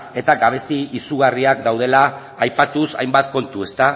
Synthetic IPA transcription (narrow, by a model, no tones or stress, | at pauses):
e̞t̪aɡaβ̞e̞siisuɣ̞ariak̚d̪awð̞e̞laː | jpat̪usa̰jmbat̪̚ko̞nt̪ue̞st̪a